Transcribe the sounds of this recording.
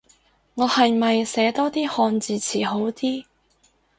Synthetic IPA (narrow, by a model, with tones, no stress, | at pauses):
ŋɔː˨˧hɐ˨jmɐ˨jsɛː˨˥t̪ɔː˥t̪iː˥hɔː˧nt͡siː˨˧t͡sʰiː˨˩ɦo˨˥wt̪iː˥